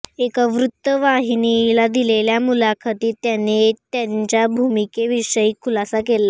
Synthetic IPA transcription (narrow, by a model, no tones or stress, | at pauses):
ekaʋɾut̪ːəʋaɦinilad̪ileljamulakʰat̪iːt̪janet̪jaɲt͡ɕjabʱumikeʋiʂəiːkʰulasakelːa